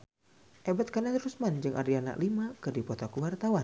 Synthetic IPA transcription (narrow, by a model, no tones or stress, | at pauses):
ʔebat̪̚kanat̪ɾusmand͡ʒɨŋʔa̰rdiana̰klimakɨdipɔt̪okuwart̪awa